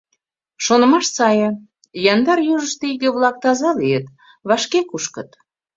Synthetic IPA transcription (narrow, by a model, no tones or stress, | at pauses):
ʃonə̆mɑʃsɑjə̆ | jɑnd̪ɑɾjuʒəʃt̪eiɣeβlɑk̚t̪ɑzɑliet̪ | βɑʃkekuʃkə̆t̪